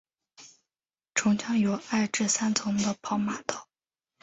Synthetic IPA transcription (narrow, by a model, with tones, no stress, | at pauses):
ʈ͡ʂʰʊ˧˥ŋt͡ɕʰjɑ˥ŋjo˨˧˩ʊa˥˧ɪʈ͡ʂɻ̩˥˩sa˥nt͡sʰʊ˧˥ŋd̪ə˧pʰɑ˧˥ʊma˨˩t̪ɑ˥˩˦ʊ